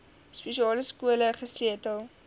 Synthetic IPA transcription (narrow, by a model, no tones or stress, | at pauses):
speʃiɑːləskuələχəsiətəlˠ